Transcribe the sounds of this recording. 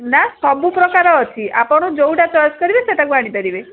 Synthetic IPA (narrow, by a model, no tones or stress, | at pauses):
nast̪ɔbupɾɔkaɾɔːtʰiʔapɔɽ̃od͡ʒowʈat͡ʃɔɾɔskɔɾibeseʈakuaɽ̃it̪eɾibe